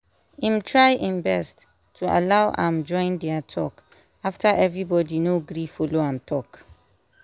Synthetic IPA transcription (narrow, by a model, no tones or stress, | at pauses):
ĩmtʰɹaɪʔĩnbɛstʰː | ua̰laʊʔã̰md͡ʒɔ̃ɪ̃ndɛatʰɔk | aftʰaʔɛvɹibɔdinoɡɹifɔloãmtʰɔk